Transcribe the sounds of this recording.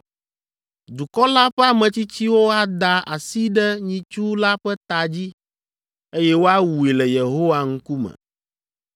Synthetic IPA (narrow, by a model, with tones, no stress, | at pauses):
d̪u˨kɔ˦la˦ɸɛ˦a˦mɛ̃˨t͡ɕi˦t͡ɕi˦wo˦a˦d̪a˨ʔa̰˨si˦ɖɛ˦ɲĩ˨t͡ʃu˦la˦ɸɛ˦t̪a˨d͡ʑi˦ | e˦jɛ˦wo˦a˦wu˨i˨lɛ˨je˨ɦo˦wa˦ŋ̩˦ku˦mɛ̰̃˨